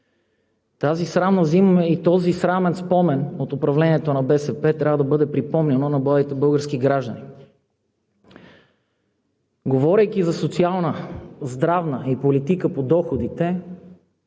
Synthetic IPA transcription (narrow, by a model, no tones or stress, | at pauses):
t̪azisɾamnəzimɛit̪ɔzisɾamɛnspɔmɛnot̪ʊpɾɐvlɛniɛt̪onɐbɛsɛpɛt̪ɾʲavəd̪ɐbɤd̪ɛpɾipɔmnɛnonɐbit̪ɛbɤlˠɡəɾsk̟iɡɾaʒd̪ɐni | ɡovɔɾɛjk̟izɐsot̪sialˠnəzd̪ɾavnəipolit̪ikəpod̪ɔxod̪it̪ɛ